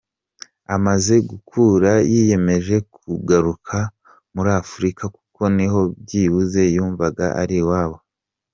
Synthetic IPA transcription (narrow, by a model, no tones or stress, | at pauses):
amaze̞ɡukʰuːɾajije̞me̞ʒe̞kʰuɡaɾukʰa | muɾaːfuɾikaku̥ko̞niɦo̞b̚jiːβuze̞juːɱvaɡa̰ʔa̰ɾiwaːβo̞